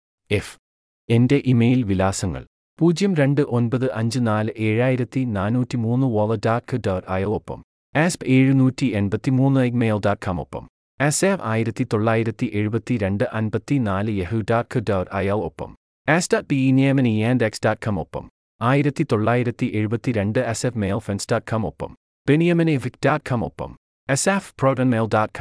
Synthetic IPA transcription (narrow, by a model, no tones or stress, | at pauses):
ef | e̞nde̞ʔimeːjlʋilaːsɐŋːɐ̰ɭ | puːd͡ʑjɐmɾe̞ɳɖɨʔo̞nbɐðɨʔɐɲd͡ʑɨnaːlɨʔe̞ːɻaːjiɾɐt̪ːinaːnuːtːimuːnːɨʋolɐdaːkʰːɨdɐʋrɐjɐlopːɐ̰m | espe̞ːɻɨnuːtːie̞nbɐt̪ːimuːnːɨɐjkmeːjldaːkʰɐmo̰pːɐ̰m | esefa̰ːjiɾɐt̪ːit̪oɭːaːjiɾɐt̪ːiʔeɻubɐt̪ːiɾeɳɖɨʔɐnbɐt̪ːinaːlɨjeɦɨdaːkʰɨdaːɾɐ̰jɐlopːɐ̰m | esdaːt̚b̥iinieːmɐnijaːndeksd̥aːt̚kʰɐmopːɐ̰m | aːjiɾɐt̪ːit̪o̞ɭːaːjiɾɐt̪ːiʔeɻubɐt̪ːiɾeɳɖɨesefmeːlˠfensd̥aːt̚kʰɐmopːɐ̰m | b̥enijɐmɐneʋik̚d̥aːt̚kʰɐmo̰pːɐ̰m | esefprowdɐnmeːldaːt̚kʰɐm